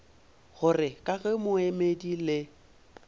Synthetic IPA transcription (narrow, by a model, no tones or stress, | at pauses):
ɣʊrɪkʼaɣɛmʊemedilɪ